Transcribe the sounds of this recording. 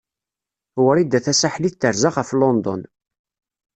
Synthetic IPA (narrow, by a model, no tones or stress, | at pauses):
wəɾˤid̪ːæθæsaħliθt̪əɾzaʁəflɔnd̪ɔ̰n